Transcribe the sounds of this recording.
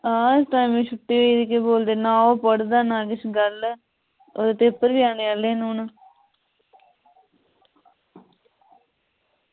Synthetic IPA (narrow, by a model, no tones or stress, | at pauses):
ãːɪsʈaːimĩːt͡ʃʰʊʈːiːɦoiːd̪ikeboːld̪eːnaːoːpəɽd̪aːnaːɡɪsɡəl | o̰ːd̪t̪epːəɾʋiːaːneːaːleːnuːna